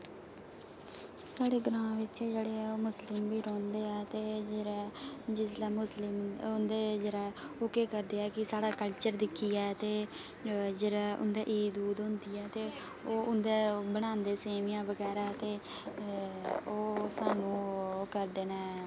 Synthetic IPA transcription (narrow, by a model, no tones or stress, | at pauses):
saːɽeːɡɾãːʋɪt͡ʃːd͡ʒeːɽeːɛːoːmʊslɪmbiːɾɔ̃ːnd̪eːɛːt̪eːd͡ʒeɾad͡ʒɪslaːmʊslɪmʊnd̪eːd͡ʒeːɾaːoːkeːkəɾd̪eːɛːkɪsaːɽaːkəlt͡ʃəɾd̪ɪkʰːiːɛːt̪eː | d͡ʒeːɽaːʔʊ̰nd̪eːʔiːd̪uːd̪ɦʊ̃nd̪iːɛːt̪eː | oːʔʊnd̪eːbəɽ̃ãːnd̪eːseːʋijãːʋəɡɛːɾaːt̪eː | oːsaːnũːkəɾd̪eːnaː